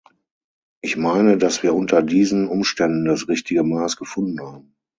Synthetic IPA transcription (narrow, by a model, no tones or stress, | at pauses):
ʔɪçmaɪnədasv̥iːɐʔʊntʰɐdiːzn̩ʔʊmʃtɛndn̩dasʁɪçtɪɡəmaːsɡ̥əfʊndn̩haːbm̩